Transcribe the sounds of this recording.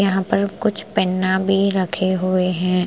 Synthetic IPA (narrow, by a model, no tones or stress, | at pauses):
jɐɦãpɐɾkʊt͡ʃʰpɛnːabʱiɾɐkʰeɦueɦɛ̃ː